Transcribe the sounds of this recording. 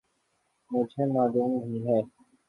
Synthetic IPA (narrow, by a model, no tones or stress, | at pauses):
mʊd͡ʒʱɦemaːluːmɦiɦɛː